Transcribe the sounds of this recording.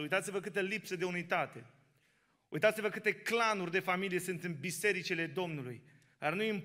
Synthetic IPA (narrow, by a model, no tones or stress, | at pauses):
ujt̪at̪sivəkɨt̪əlipsəd̪eunit̪at̪e̞ | ujt̪at̪sivəkɨt̪e̞klanurʲd̪e̞familije̞sɨnt̪ɨnbise̞ɾit͡ʃile̞d̪o̞mnulṵj | d̪arnujimp